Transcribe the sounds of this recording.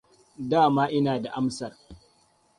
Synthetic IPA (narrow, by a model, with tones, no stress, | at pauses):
daː˦˨maː˦ʔɪ˦naː˨da˨ʔa˦msɐ˨r